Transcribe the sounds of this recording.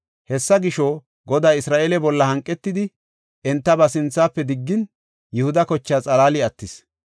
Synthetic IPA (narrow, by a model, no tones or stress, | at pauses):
hɛsːɐɡɪʃoː | ɡɔd̪aːɪsɾaːʔeːlɛbɔlːɐhɐŋkʼːɛt̪ːɪd̪ɪ | ʔɛnt̪ːɐbɐsɪnt͡sːaːpːɛd̪ɪɡːɪn | jʊhʊd̪ɐkɔt͡ʃːaːt͡sʼɐlaːlɪɐt̪ːɪs